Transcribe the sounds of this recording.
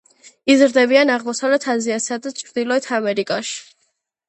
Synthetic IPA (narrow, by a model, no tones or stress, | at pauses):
izɾd̪ɛbianaʁmɔsavlɛt̪ʰaziasad̪at͡ʃʰɾd̪ilˠɔɛt̪ʰamɛɾikʼaʃi̥